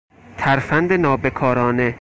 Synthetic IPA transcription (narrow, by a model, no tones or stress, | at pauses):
t̪ʰæɾfænd̪enɒːbe̞kʰɒːɾɒːne